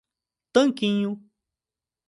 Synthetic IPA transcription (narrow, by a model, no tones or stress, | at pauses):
t̪ə̃ŋkĩɲũ